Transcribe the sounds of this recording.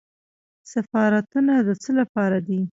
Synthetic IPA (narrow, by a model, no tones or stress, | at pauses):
safɑɾat̪unad̪ət͡səlapɑɾad̪i